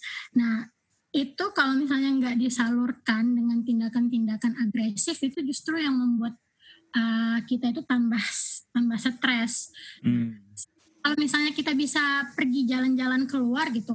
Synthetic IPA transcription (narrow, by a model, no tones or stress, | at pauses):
nah | it̪ukalowmis̬alɲaŋɡaʔdisalurkandəŋant̪indakant̪indakanaɡɾesɪfit̪ud͡ʒust̪ɾujaŋməmbuat̪̚ | ʔəkit̪ait̪ut̪ambaht̪ambahsət̪ɾɛsna | kalomisalɲakit̪abisapərɡid͡ʒaland͡ʒalankəluarɡit̪u